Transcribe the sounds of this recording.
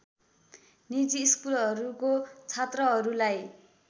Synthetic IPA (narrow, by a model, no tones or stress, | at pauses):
nid͡ziːskulɦʌɾukot͡sʰat̪rʌɦʌɾulaj